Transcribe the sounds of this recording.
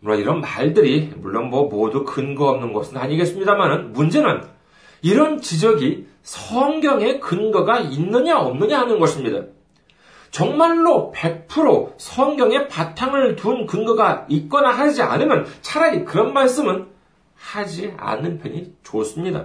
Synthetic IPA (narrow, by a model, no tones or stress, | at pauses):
muoiɾʌnmaɭdɯɾimuɭːonbʌmodukɯnɡʌʌmnɯnɡʌsʰɯnaɲiɡe̞ts͈ɯmɲidamanɯnmund͡ʑe̞nɯn | iɾʌnt͡ɕid͡ʑʌɡi | sʰʌŋɡjʌŋe̞kɯnɡʌɡainːɯɲaʌmnɯɲaanɯnɡʌɕʰimɲida̰ | t͡ɕʌŋmaɭːope̞pʰɯɾosʰʌŋɡjʌŋe̞patʰaŋɯɭtunkɯnɡʌɡait̚k͈ʌnaɦad͡ʑia̰nɯmjʌnt͡ɕʰaɾaɲikɯɾʌnmaɭs͈ɯmɯn | had͡ʑia̰nːɯnpʰjʌɲit͡ɕos͈ɯmɲida̰